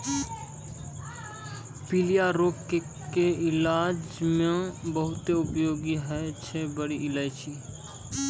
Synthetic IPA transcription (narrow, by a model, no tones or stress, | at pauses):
pilijaɾoːke | keɪlaːd͡ʒmẽbəɦʊt̪eʊpjoːɡiɦɛt͡ʃʰɛbəɽiʔɪlaːjt͡ʃi